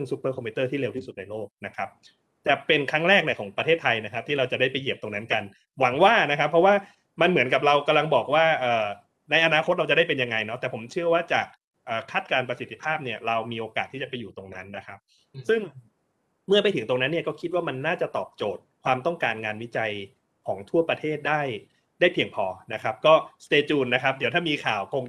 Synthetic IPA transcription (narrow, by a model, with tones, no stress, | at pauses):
ɯ˥˩ŋsu˦˥pːɤː˥˩kʰɔ˧mpʰi˧t̪ɤː˥˩t̪ʰiː˥˩le˧wt̪ʰiː˥˩su˨˩na˧jloː˥˩k̚na˦˥kʰa˦˥p̚ | t͡ɕa˨˩pe˧nkʰa˦˥ŋɾɛː˥˩k̚na˧˩kʰɔː˩˦ŋpɾa˧t̪ʰeː˥˩t̪ʰːa˧jna˦˥kʰa˦˥t̪ʰiː˥˩ɾa˧wt͡ɕa˨˩daː˥˩jpa˧ji˨˩əp̚t̪o˧ŋna˦˥nka˧n | wa˩˦ŋwaː˥˩na˦˥kʰa˦˥pʰːɾɔ˦˥waː˥˩ | ma˧nmɯ˩˦nka˨˩p̚ɾa˧wka˧mla˧ŋbɔː˨˩k̚waː˥˩ʔɤː˨˩ | na˧jʔa˧naː˧kʰo˦˥t̪̚ɾa˧wt͡ɕa˨˩da˥˩pe˧nja˧ŋa˧jnɔ˦˥t̪ɛː˨˩pʰo˩˦mt͡ɕʰɯ˥˩ɐwaː˥˩t͡ɕaː˨˩k̚ | ʔɤː˨˩kʰa˥˩t̪̚kaː˧npɾa˧si˨˩t̪ʰːi̥˧pʰaː˥˩p̚ni˥˩ɐɾa˧wmiː˧ʔoː˧kaː˨˩t̪ʰːiː˥˩t͡ɕa˨˩pa˧jːuː˨˩t̪o˧ŋna˦˥nːa˦˥kʰa˦˥p̚ | sɯ˥˩ŋ | mɯ˥˩ɐpa˧jt̪ʰɯ˩˦ŋt̪o˧ŋna˦˥nːi˥ɐkɔː˥˩kʰi˦˥t̪̚waː˥˩ma˧nːaː˥˩t͡ɕa˨˩t̪ɔː˨˩p̚t͡ɕoː˨˩t̪̚kʰwaː˧mt̪ɔ˥˩ŋkaː˧nŋaː˧nwi˦˥t͡ɕa˧j | kʰɔː˩˦ŋt̪ʰu˥˩ɐpɾa˧t̪ʰeː˥˩t̪̚daː˥˩j | daː˥˩jpʰi˧əŋpʰɔː˧na˦˥kʰa˦˥p̚kɔː˥˩st̪eː˧t͡ɕuː˧nːa˦˥kʰa˦˥p̚di˨˦t̪ʰaː˥˩miː˧kʰaː˨˩wkʰo˧ŋ